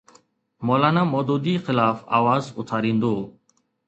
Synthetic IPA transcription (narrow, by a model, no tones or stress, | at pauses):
moːlaːnãːmoːd̪oːd̪iːxɪlaːfa̰ːʋaːzʊ̰t̪ʰaːɾĩːnd̪oː